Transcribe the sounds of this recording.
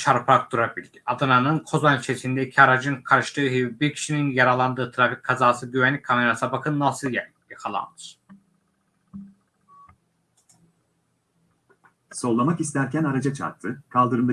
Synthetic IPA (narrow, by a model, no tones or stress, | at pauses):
t͡ʃʰaɾpʰɾak̚d̪uɾabilʲd̪iad̪ananɯnkʰo̞zanit͡ʃʰesind̪ɛicʰiaɾad͡ʒɯnkʰaɾɯʃt̪ɯːɦibiɾcʲʰi̥ʃininjaɾalˠand̪ɯːt̪ʰɾafic̚ʲkʰːazaːsɯɟyβænlʲic̚ʲkʰame̞ɾasabakʰɯnːasɯjɛ | jikʰalˠa̰nd̪ɯɾ̥ | so̞lˠːamakist̪æɾcænaɾad͡ʒat͡ʃʰa̰ɾt̪ʰːɯkʰalˠd̪ɯɾɯmb